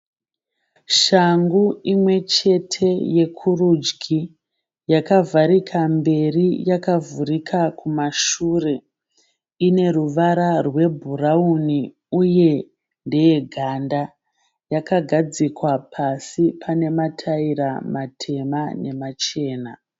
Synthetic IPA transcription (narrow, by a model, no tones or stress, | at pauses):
ʃaŋɡuimwe̞t͡ʃe̞tʰe̞je̞kʰurud͡ʒɡi | jakavʱaɾikʰambe̞rijakavuɾikʰakʰumaʃuːre̞ | ine̞ruʋaɾarwe̞bʱurauni | uje̞ | nde̞jeɡʱanda | jakaɡʱad͡zikwapʰasipʰane̞matʰairamatʰe̞mane̞mat͡ʃe̞ːna